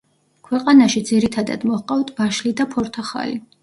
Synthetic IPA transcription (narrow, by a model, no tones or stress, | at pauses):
kʰwɛqʼanaʃid̪ziɾit̪ʰad̪a̰d̪mɔhqʼawt̪ʰbaʃlid̪apʰɔɾt̪ʰaχa̰li